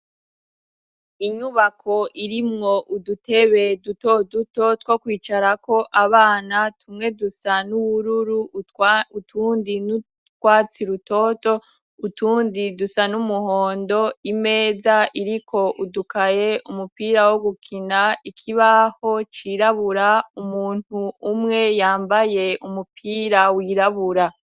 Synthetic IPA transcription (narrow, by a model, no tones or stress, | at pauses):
iɲuβakʰo̞ʔiɾimŋo̞ʔudute̞βe̞duto̞duto̞two̞kwiːt͡ʃaɾako̞ʔaβaːnatʰumŋe̞dusanuβuɾuɾu | utʰuːndin | tkwaːt͡siɾuto̞to̞ | utuːndidusanumuho̞ːndo̞ime̞ːzaʔiɾikʰo̞ʔudukaje̞umupiːɾawoɡukʰinaikʰiβaho̞t͡ʃiɾaβuɾaumuːn̥huːmŋe̞jaːmbaje̞ʔumupʰiːɾawiːɾaβuɾa